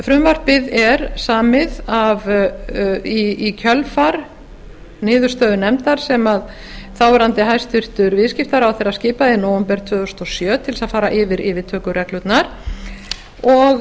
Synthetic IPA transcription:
fɾʏmvar̥pɪðɛɾsaːmɪðav | iːcʰœlfaɾ | nɪːðʏɾ̥st̪œːðʏnɛmt̪aɾ̥sɛmað | θawɛɾant̪ɪɦajst̪vɪr̥t̪ʏɾvɪːðscɪft̪aɾawθɛjɾascɪːpaðɪnoːwʏmpɛɾ̥t̪ʰvœːðɔst̪ɔsjœːt̪ʰɪlsaðfaːɾaʔɪːvɪɾɪːvɪt̪ʰœːkʏɾɛklʏt̪naɾ̥ | ɔɣ

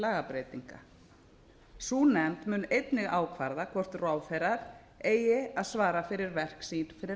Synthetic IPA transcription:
aːɣapɾejt̪iŋka̰ | suːnɛmt̪mʏːnejt̪nɪɣaːwkʰvaɾðakʰvɔr̥t̪raːwfɛjɾaɾ̥ | eːjɪaðsvaːɾafɪɾɪɾvɛr̥ksiːnfɪɾɪ

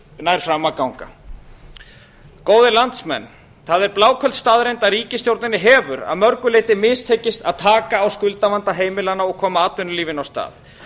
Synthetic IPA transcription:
naːjɾ̥fɾamːakawŋka̰ | koːwðɪlant̪smɛ̰nː | θaðɛɾplaːwkʰœlt̪st̪aːðɾejnt̪aɾiːcɪsjowɾt̪nɪnɪɦɛːvʏɾa̰ðmœɾkʏleːjt̪ɪmɪːst̪ʰejcɪst̪a̰ðt̪ʰaːkaːwskʏlt̪avant̪aɦeːjmɪlanaɔɣkʰɔːmaaːt̪ʏnʏliːvɪnawst̪a̰ːθ

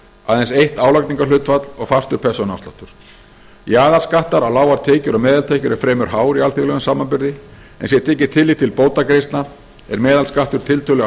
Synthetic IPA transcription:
aðɛnsejht̪aːwlakniŋkalʏːt̪fat̪lɔɣfast̪ʏ̥pʰɛ̥sɔna̰wst̪aht̪ʏɾ̥ | jaːðaɾskaht̪aɾawlaːwaɾt̪ʰɛːcʏɾɔmɛːðalt̪ʰeːhcʏɾɛɾ̥fɾɛːmʏɾ̥ɦaːwɾialθiɣlɛɣʏmsaːmːanpʏɾðɪ | ɛ̰nsjɛt̪ʰɛːcɪ̥t̪ʰɪlːit̪ʰɪlpoːwt̪akɾejst̪naɾ | ɛ̰ɾmɛːðalskaht̪ʏɾ̥t̪ʰɪlt̪ʰœlɛ

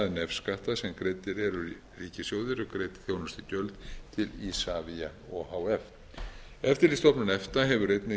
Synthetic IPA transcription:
ðɪnɛfskaht̪asɛmkɾejt̪ɪɾɛɾʏɾi | riːcɪsjowðɪɾɔkɾeːjt̪ɪ̥θjownast̪ɪcœlt̪t̪ʰɪlisavia | ɔhawɛf | ɛft̪ɪɾist̪ɔpnʏnɛft̪aɦɛvʏɾrejt̪nɪ

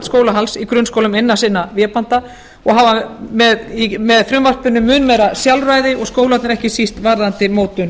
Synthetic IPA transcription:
t̪skoːwlaɦalsikɾʏnskowlʏmɪnːḁsɪnːavjɛːpan̥t̪a | ɔɣɦavamɛðimɛðfɾʏmvar̥pʏnːʏmːʏːnmejɾasjalraːjðɪɔɣskoːwlat̪nɪɾɛhcɪsist̪vaɾðant̪ɪmoːwt̪ʏn

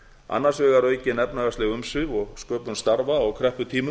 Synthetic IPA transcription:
a̰nːarsvɛːɣaɾœːɥcɪnɛpnaɣast̪ɛɣʏmsɪvɔɣskœːpʏnst̪aɾvaɔwkʰɾɛhpʏt̪ʰiːmʏ

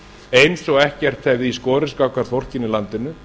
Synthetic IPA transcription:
ejnsɔɣɛhcɛr̥t̪θɛvðɪiskɔːɾɪskawkaɾ̥θɔr̥cɪnɪlant̪ɪnːʏ

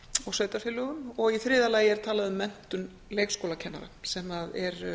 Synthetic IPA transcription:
ɔɣsœːɥt̪aɾfɪlːʏɣʏmɔɣiθɾɪːðalaːjɪɛɾ̥t̪ʰaːlaðʏmːɛn̥t̪ʏn | leːjkskowlacʰɛnːa̰ɾasɛmaðɛɾ

